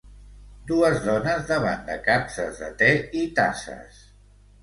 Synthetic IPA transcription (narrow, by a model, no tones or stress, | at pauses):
d̪uəzðɔnəzðəβa̰nd̪əkapsə̰zðə̰t̪ɛit̪asə̰s